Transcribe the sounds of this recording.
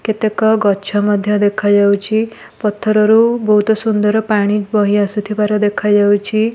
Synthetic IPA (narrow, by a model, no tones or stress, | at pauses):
ket̪ekɔɡɔt͡ʃʰɔmɔd̪ʱjɔd̪ekʰad͡ʒawt͡ʃʰi | pɔt̪ʰːɔɾɔɾubɔɦut̪ɔsund̪ɔɾɔpaɽ̃id͡ʒbɔɦiasut̪ʰibaɾɔd̪ekʰad͡ʒawt͡ʃʰi